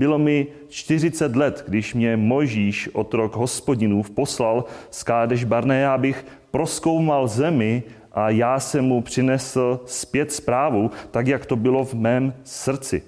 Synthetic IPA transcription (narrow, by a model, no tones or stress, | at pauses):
bɪlo̞mɪ | t͡ʃt̪ɪrɪt͡sɛt̪lɛt̪ɡdɪʃmɲɛmo̞jʒiːʃʔo̞t̪ɾo̞ɡɦo̞spo̞ɟɪnuːfpo̞slalskaːdɛʒbaɾnɛjaːbɪx | pɾosko̞wmalzɛmɪ | ʔajaːsɛmːupr̥ɪnɛsl̩spjɛt̪spɾaːvut̪akjakt̪o̞bɪlo̞vmɛːmsr̩t͡sɪ̰